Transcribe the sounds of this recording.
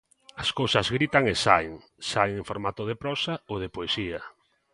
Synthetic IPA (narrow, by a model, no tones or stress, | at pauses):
ɐskowsɐzɣɾit̪aŋesaeŋ | saeŋẽŋfoɾmat̪ʊð̞epɾɔsaoðepoesia